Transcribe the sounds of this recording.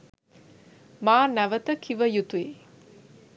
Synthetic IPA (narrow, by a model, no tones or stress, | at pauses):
maːnæʋət̪əkʰiʋəjut̪ue